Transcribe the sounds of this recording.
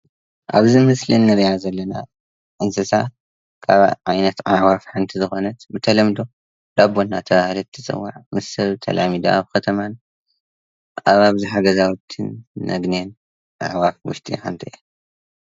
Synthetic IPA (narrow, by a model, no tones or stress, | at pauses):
ʔa̰βzimɨslinːɨɾijazɐlːɐna | ʔɨnsɨsa | kʰaβʕajnɐt̪ʕaʕwafħant̪ʰizɨxo̞nɐt̪bɨt̪ʰɐlɐmd̪o̞ | laβonːat̪ʰɐβahlɐt̪ʰːɨt͡sʼɨ̰wːa̰ʕmɨsːɐβt̪ʰɐ̰lʔamid̪ɐʔa̰βkʰɐt̪ʰɐman | ʔaβaβziħaɡɐzawt̪ʰːɨnːɐ̰ɡnjen | ʕa̰ʕwafwʊ̰ʃt̪ʼḭħant̪ʰiʔe